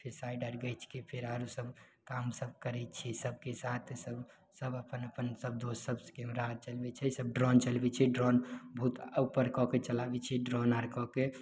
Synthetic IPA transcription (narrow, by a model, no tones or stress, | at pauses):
pʰeɾsajɖəɾɡəjt͡ʃʰkepʰeɾaɾusəb | kamsəbkəɾɛt͡ʃʰisəb̚ʱkesat̪ʰsəb | səbəpənəpənsəb̚d̪ossəbskɛmɾaɾt͡ʃəlbɛt͡ʃʰɛsəb̚ɖɾɔnt͡ʃəlbɛt͡ʃʰɛɖɾɔnbʱut̪upəɾkɔket͡ʃəlabɛt͡ʃʰɛɖɾɔnaɾkɔke